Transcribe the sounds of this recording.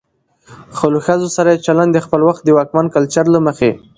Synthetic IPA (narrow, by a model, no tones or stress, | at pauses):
xəloxazosaɾajet͡ʃaland̪d̪əxpəlwaxt̪̚d̪əwɑkmankalt͡ʃaɾlaməxe